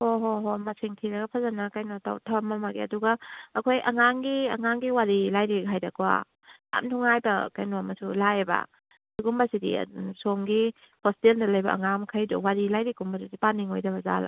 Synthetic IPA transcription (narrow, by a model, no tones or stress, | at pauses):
hoɦoɦomɐsiŋtʰiɾɐɡɐpʰɐzanakajnota̰wtʰɐmamaɡiɐ̰duɡaːkʰojʔɐ̰ŋaŋɡiɐ̰ŋaŋɡiwaɾilajɾikʰajdakʰwa̰ | a̰mtʰuŋajbɐ̰kajnoamɐsulaeba̰ | siɡumbasidḭsomɡi | hɔsteldɐlɐjbɐɐ̰ŋamkʰajdɔ̰waɾilajɾikumbasidipaniŋojdɐβɐza̰la̰